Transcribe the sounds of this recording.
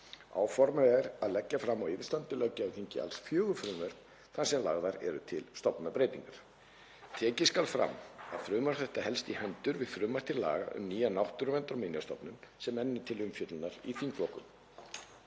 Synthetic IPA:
a̰wfɔɾmaɛɾaðlɛcːafɾamːawɪvst̪ant̪ʏlœcːaaθiɲcɪa̰lsfjœːɣʏfɾʏːmvɛɾ̥k̪ | θansɛmla̰ɣðaɾɛ̰ɾʏ̰t̪ʰɪlst̪ɔpnapɾejt̪iŋkaɾ̥ | t̪ʰɛːcɪskalfɾa̰ma̰ðfɾʏːmaɾ̥θɛht̪ahɛlst̪ihœnt̪ʏɾvɪðfɾʏːmḁt̪ʰɪɾla̰ːɣa̰ʔʏ̰mniːjanawht̪ʏɾʏvɛnt̪ɾaminjast̪ɔpnʏmsɛmɛnːɪt̪ʰɪlʏmfjœt̪lnaɾiθiŋklɔhkʏm

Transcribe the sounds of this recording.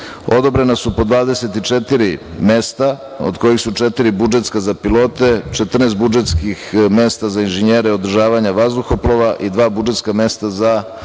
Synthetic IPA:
o̞d̪o̞bɾe̞nasupo̞d̪ʋaːd̪e̞se̞t̪it͡ʂet̪iɾime̞st̪a | o̰d̪ko̞jixsut͡ʃe̞t̪iɾibud͡ʒe̞t̪skazapilo̞ːt̪e̞t͡ʃe̞t̪r̩nest̪bud͡ʒet̪skixme̞st̪azainʒeɲeːɾeo̞d̪r̩ʒaːʋaɲaʋazd̪uxoploʋaʔid̪ʋaːbud͡ʒet̪skame̞st̪aza

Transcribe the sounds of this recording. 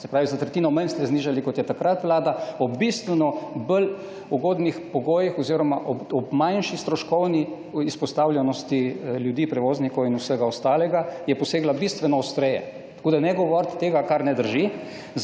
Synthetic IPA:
sɛpɾaːʋizat̪ɾɛt̪iːnɔmənst̪ɛzniːʒalikɔt̪jɛt̪akɾat̪ʋlaːd̪aɔbist̪ʋɛnɔbəl | uɡoːd̪nixpɔɡoːjixɔziɾɔmaʔɔɔbmajnʃist̪ɾɔʃkɔwni | ispɔst̪awljɛnɔst̪iljud̪iːpɾɛʋoːznikɔwinusəɡaɔst̪aːlɛɡajɛpɔseːɡlabist̪ʋɛnɔɔst̪ɾɛjɛ̰ | t̪ḁkoːd̪anɛɡɔʋɔɾt̪t̪ːeːɡakaɾnɛd̪əɾʒi

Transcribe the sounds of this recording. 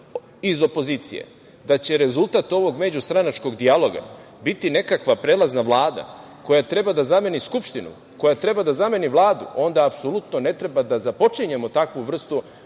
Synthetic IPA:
izo̞po̞ziːt̪sḭjḛ | d̪at͡ɕe̞ɾe̞zulˠt̪at̪o̞ʋo̞ɡme̞d͡ʑust̪ɾanat͡ʃko̞ɡd̪ialˠo̞ɡa̰ | bit̪ine̞kakʋapɾeːlˠaznaʋlˠaːd̪a̰ | ko̞jat̪ɾe̞bad̪azame̞niskupʃt̪inṵ | ko̞jat̪ɾe̞bad̪azame̞niʋlˠaːd̪ṵo̞nd̪aːpso̞lut̪none̞t̪ɾe̞bad̪azapo̞t͡ʂiɲe̞mo̞t̪akʋuʋr̩st̪u

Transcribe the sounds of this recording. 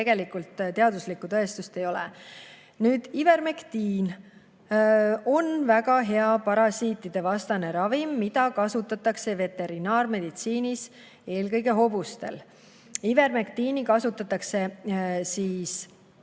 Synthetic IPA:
eɡ̥e̞likult̪t̪e̞ɑd̪uslikːut̪ɤest̪ust̪e̞jo̞lɛ̰ | nyːd̪̥ive̞rmekt̪iːn | o̞nvæɡɑɦe̞ɑpɑɾɑsiːt̪ːˑid̪̥e̞vɑst̪ɑne̞ɾɑvimːid̪̥ɑkɑsut̪ːˑɑt̪ːˑɑkse̞ve̞t̪e̞ɾinɑːrme̞d̪̥it̪siːnis | e̞ːlkɤjɡe̞ɦo̞bust̪e̞̰l | ive̞rmekt̪iːnikɑsut̪ːˑɑt̪ːˑɑkse̞siːs

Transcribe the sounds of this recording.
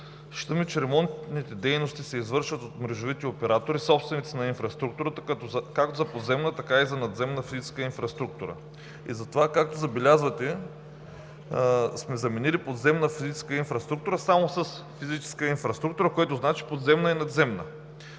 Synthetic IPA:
ʃt̪əmit͡ʃɛɾɛmɔnt̪nit̪ɛd̪ɛjnost̪isɛizvɤɾʃvɐt̪ot̪mɾɛʒovit̪ɛopɛɾat̪oɾisɔpst̪vɛnit̪sinɐinfɾɐst̪ɾuk̚t̪uɾət̪əkɐt̪ɔzkakt̪ozɐpod̪zɛmnət̪ɐkaizɐnɐd̪zɛmnəfizit͡ʃɛ̥skəinfɾɐst̪ɾuk̚t̪uɾə̰ | ḭzɐt̪ovakak̚t̪ozɐbɛlʲazvɐt̪ɛ | smɛzɐmɛnilipod̪zɛmnəfizit͡ʃɛ̥skəinfɾɐst̪ɾuk̚t̪uɾəsamosəs | fizit͡ʃɛ̥skəinfɾɐst̪ɾuk̚t̪uɾəkoɛt̪oznat͡ʃi̥pod̪zɛmnəinɐd̪zɛmnə

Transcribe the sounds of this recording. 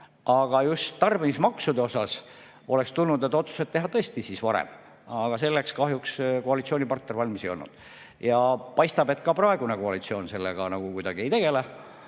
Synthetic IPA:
ʔɑɡ̥ɑjust̪ːɑrb̥enismɑksud̪e̞o̞sɑs | o̞lekst̪ulnud̪e̞t̪ːˑo̞t̪su̥se̞d̪̥̚t̪ːe̞ɦɑt̪ɤesʲt̪isisvɑɾḛm | ɑɡ̥ɑse̞lːekskɑɦjuksko̞ɑlit̪sio̞ːnʲipɑrt̪nervɑlʲmisejo̞lnṵd̪̥ | jɑpɑjst̪ɑbe̞t̪ːˑkɑprɑeɡ̥uneko̞ɑlit̪sio̞ːnse̞lːeɡ̥ɑnɑɡ̥ukujd̪̥ɑɡ̥ie̞jt̪e̞ɡ̥e̞le

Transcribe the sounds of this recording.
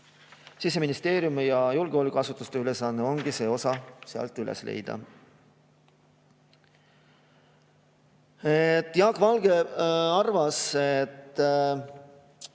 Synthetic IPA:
sis̬e̞minist̪e̞ːɾjumijɑjulɡ̥eo̞ːlʲikɑsut̪ːˑust̪e̞ylesɑnːeo̞ŋɡ̥ise̞ːo̞sɑseɑ̰lt̪ˑːylḛslḛjd̪̥ɑ̰ | et̪ːˑjɑːkvɑlɡ̥e̞ɑrvɑset̪ː

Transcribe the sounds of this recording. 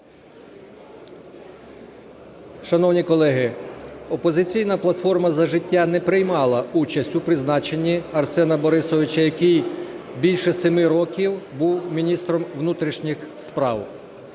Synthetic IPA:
ʃɐnɔwnʲikɔlˠɛɦɪɔpɔzɪt͡sʲijn̪ɐplˠɐt̪fɔrmɐzɐʒɪtʲːanɛpɾɪjmɑlˠɐut͡ʃɐsʲtʲupɾɪznɑt͡ʃenʲːiɐrsɛnɐbɔɾɪsɔʋʲɪt͡ʃɐjɐkijbʲilʲʃɛsemɪɾɔkʲiwbuwmʲinʲist̪ɾɔmʋnut̪ɾʲiʃnʲixspɾɑw

